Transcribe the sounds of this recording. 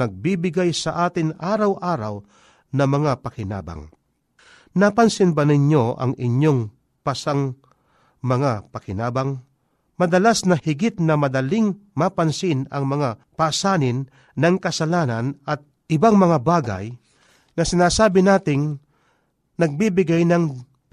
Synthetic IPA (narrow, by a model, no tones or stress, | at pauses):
nɐɡ̚biːbɪɡajsɐʔaːt̪ɪŋʔaːɾɐwʔaːɾa̰w | nɐmɐŋapɐkɪna̰ːba̰ŋ | napɐnsɪnbanɪɲjo̞ʔɐ̰ŋɪɲjo̞ŋ | pasaŋ | mɐŋapɐkɪnaːbaŋ | mɐd̪ɐlasnɐhɪɡɪt̪nɐmɐd̪ɐlɪŋmapɐnsɪnɐŋmɐŋapasaːnɪnː | ɐŋkɐsɐlaːnanʔɐt̪̚ | ʔɪbaŋmɐŋabaːɡa̰j | nɐsɪnaːsaːbɪnaːt̪ɪŋ | nɐɡ̚bibɪɡajnɐŋ